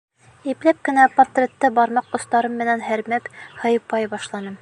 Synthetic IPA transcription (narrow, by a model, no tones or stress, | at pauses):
iplæp̚kɘ̆næpɐt̪rʲet̪ːɘbɒɾmɑqːŏst̪ɑɾɤmːɘ̆nænɦæɾmækhɤ̆jɤpɑjbɒʃlˠɑnɤm